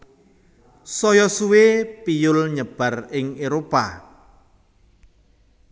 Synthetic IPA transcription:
sɔjɔsuwepijʊlɲəb̥ä̤rɪŋeɾopa̰

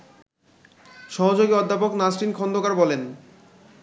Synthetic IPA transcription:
ʃɔɦod͡ʑoɡiɔd̪ʱːapoknasɾinkʰɔnd̪okaɾbɔlen

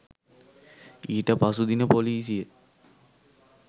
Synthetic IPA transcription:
iːʈəpasud̪inəpoliːs̬ijə

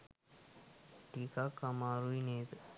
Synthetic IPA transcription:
ʈikakamaɾuinet̪

